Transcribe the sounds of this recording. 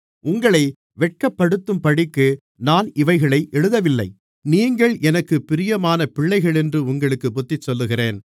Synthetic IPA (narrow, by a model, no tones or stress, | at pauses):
ʊŋɡɐɭɐɪ | ʋɛʈ̚kɐpːɐɽɯt̪ːɯmpɐɽɪkːɯ | naːnʔɪʋɐɪɣɐɭɐɪʔɛɻɯðɐʋɪlːɐɪ | niːŋɡɐɭɛnɐkːɯpːɪɾɪjɐmaːnɐpɪɭːɐɪɣɐɭɛndrɯʊŋɡɐɭɯkːɯbʊt̪ːɪt͡ʃːɔlːɯɣɪreːn